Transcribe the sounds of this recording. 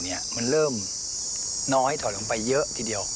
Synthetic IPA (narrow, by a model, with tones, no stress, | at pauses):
ni˦˩ɐma˧nɾɤː˥˩m | nɔː˦˥ha˥˩jt̪ʰɔː˨˦jlo˧˦pa˧jːɤ˦˥ʔt̪ʰiː˧˩di˧əw